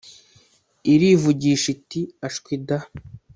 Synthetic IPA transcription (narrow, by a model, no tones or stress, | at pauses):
iɾivuɟiːʃitiaʃkwida